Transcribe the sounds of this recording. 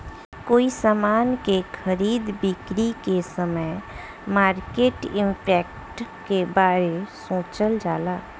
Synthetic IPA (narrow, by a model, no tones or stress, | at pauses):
koːisaːmaːnkekʰəɾiːd̪bɪkɾikesəməj | maːɾkeːʈɪ̃mpɛːk | ʈ | kebaːɾesõːt͡ʃəld͡ʒaːlaː